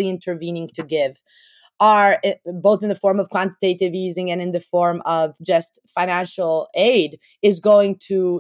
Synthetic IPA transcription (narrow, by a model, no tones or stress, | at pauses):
iɪ̃ntʰə˞vĩnɪ̃ŋtʰɨɡɪv | ə˞boʊθɨ̃nðɨfɔɹmʌv̥kʰw̥ɑ̃ntɨ̥teɪɾɨvizɪ̃ŋɨ̃nɨ̃nðɨfɔɹmʌv̥d͡ʒʌstfãɪ̃næ̃nʃl̩ˠeɪɾ | ɨzɡoʊɪ̃ŋtʰɨ